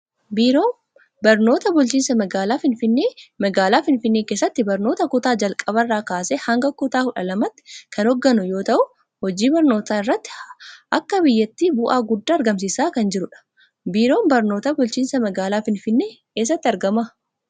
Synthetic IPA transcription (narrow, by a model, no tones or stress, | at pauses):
biːɾoː | bɐɾno̞ːt̪ɐbʊlt͡ʃiːnsɐmɐɡaːlaːfɪnfɪnːeːmɐɡaːlaːfɪnfɪnːeːke̞ːsːɐt̪ːɪbɐɾno̞ːt̪ɐkʊt̪aːd͡ʒɐlkʼɐβɐrːaːkaːseːhɐŋɡɐkʊt̪aːkʊᶑɐlɐmɐt̪ːɪ̥kʰɐnɔɡːɐnʊjo̞ːt̪ɐʔʊ | hɔd͡ʒiːbɐɾno̞ːt̪aːɪrːɐt̪ːɪ̥ʔɐkːɐbɪjːɐt̪ːiːbʊʔaːɡʊd̪ːaːɐɾɡɐms̬isaːkɐnd͡ʒɪɾʊᶑɐ̥ | biːɾo̞ːmbɐɾno̞ːt̪ɐbʊlt͡ʃiːnsɐmɐɡaːlaːfɪnfɪnːeːkeːs̬ːɐt̪ːɪɐɾɡɐmɐ